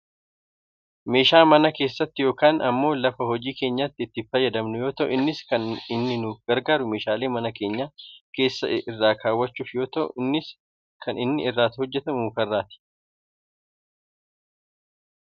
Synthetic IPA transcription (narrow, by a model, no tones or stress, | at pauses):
me̞ːʃaːmɐnɐke̞ːsːɐt̪ːɪjo̞ːkaːnʔɐmːo̞ːlɐfɐɦɔd͡ʒiːke̞ːɲːaːt̪ːɪːt̪ːɪfɐjːɐd̪ɐmnʊjo̞ːt̪ɐʔʊ̰ɪnːɪskɐnɪnːɪnuːfɡɐɾɡaːɾʊme̞ːʃaːle̞ːmɐnɐke̞ːɲːaːke̞ːsːɐ̰ʔɪrːaːkʰaːwːɐt͡ʃːuːfjo̞ːt̪ɐʔʊ̰ɪnːɪs | kʰɐnɪnːɪɪrːaːt̪hɔd͡ʒːɛt̪ɐmuːkɐrːaːt̪ɪ̥